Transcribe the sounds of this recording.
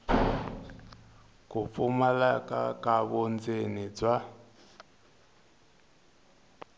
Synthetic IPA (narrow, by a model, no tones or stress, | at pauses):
kup̪fumalakʼa̰kʼaβɔnd͡zenid͡zwa